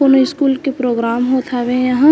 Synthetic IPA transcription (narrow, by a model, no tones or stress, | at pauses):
oːnoɪskuːlkepɾoːɡɾaːmɦot̪ʰaʋẽjɐɦã